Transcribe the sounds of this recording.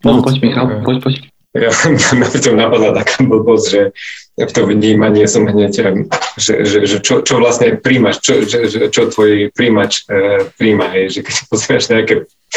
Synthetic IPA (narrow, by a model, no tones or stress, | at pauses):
nɔpɔcmixapɔcpɔc | jamapɾit̪ɔmnapad̪lat̪akabl̩bɔzʒɛft̪ɔvɲiːmaɲɪɛsɔmɦɲɛcʒɛ̰ʒɛʒɛt͡ʃɔt͡ʃɔʋlasɲɛpɾiːmaʃt͡ʃɔʒɛʒɛt͡ʃɔt̪ʋɔjpɾiːmat͡ʃpɾiːmaɦɛjʒɛkɛcsḁpɔzɛɾaʒɲɛakɛ